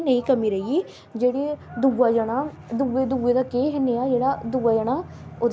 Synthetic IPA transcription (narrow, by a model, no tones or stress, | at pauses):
nəĩːkəmiːɾəii | d͡ʒeːɽiːd̪uʋaːd͡ʒəɽaː | d̪uʋeːd̪uːʋeːd̪aːkeːɦenːeaːd͡ʒeːɽaːd̪uʋad͡ʒəɽ̃aː | od̪